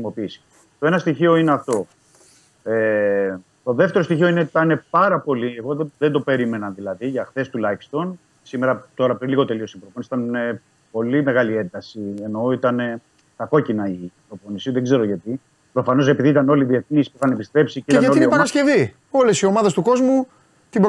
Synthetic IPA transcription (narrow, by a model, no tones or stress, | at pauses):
simo̞piiːsi̥ | t̪o̞e̞nɐst̪içio̞ineɐft̪o̞ | e | t̪o̞ðe̞ft̪eɾst̪içioinet̪ɐne̞pɐɾɐpo̞lieɣo̞ðend̪o̞pe̞ɾime̞nɐnðilɐðiʝɐxθe̞st̪ulɐjfst̪o̞n | simeɾɐt̪o̞ɾɐpɾinliɣo̞t̪e̞lio̞sipɾoponisit̪ɐne | po̞lime̞ɣɐliend̪ɐsieno̞it̪ɐne | t̪ɐko̞cinɐipɾo̞po̞nisiðeɡze̞ɾo̞ʝɐt̪i | pɾo̞fɐno̞se̞piðiit̪ɐno̞liðie̞θnispuθɐnepist̪ɾe̞psieit̪ɐnɐoilopɐɐsce̞vi | o̞lesio̞mɐðest̪uko̞zmu | t̪ib